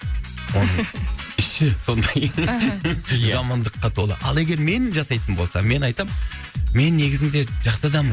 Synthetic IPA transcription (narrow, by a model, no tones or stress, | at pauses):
wo̞nnəɪʃɪso̞nd̪ɑj | ʒɑmɑnd̪əqːɑt̪ʰo̞lˠə̰ʔɑlˠe̞ɡʲe̞ɾme̞nʒɑsɑjt̪ənbo̞lˠsɑ̰me̞nɑjt̪ɑm | me̞nːe̞ɡʲɪzɪnd̪e̞ʒɑqsəd̪ɑm